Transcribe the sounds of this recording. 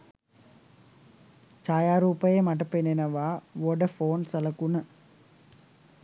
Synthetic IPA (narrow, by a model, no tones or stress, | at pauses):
t͡ʃaːjaːɾuːpɐjemɐʈ̬ɐpenenɐʋaːʋoɖɐfoːnsɐlɐkunɐ